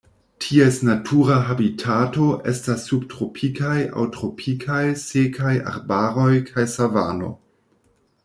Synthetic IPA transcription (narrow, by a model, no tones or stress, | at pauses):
tʰiesnatʰuɾaɦabitʰato̞ʔḛstasːubtɾopʰikajʔa̰wtɾo̞pʰikʰajsekʰaja̰ɾbaɾo̞jkʰajsava̰no̞̰